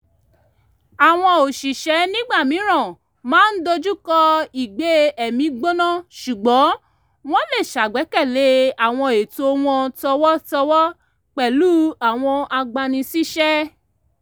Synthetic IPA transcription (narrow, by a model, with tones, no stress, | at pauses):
a˨w̃ɔ̃˧o˨ʃi˨ʃɛ˨˦nĩ˦ɡ͡ba˦˨mĩ˨˦ɾ̃ã˦˨ | mãː˦n̩˦do˧d͡ʒu˦kɔ˧i˨ɡ͡be˨˦ɛ˨mĩ˨˧˦ɡ͡bo˦nã˦˨ʃu˨ɡ͡bɔ̃˨˦ | w̃ɔ̃˦le˦˨ʃa˨ɡ͡bɛ˨˦kɛ˦˨le˨˦a˨w̃ɔ̃˧e˨to˧w̃ɔ̃˧tɔ˧wɔ˦tɔ˧wɔ˦ | k͡pɛ˨lu˦a˨w̃ɔ̃˧a˧ɡ͡ba˧nĩ˧si˦ʃɛ˦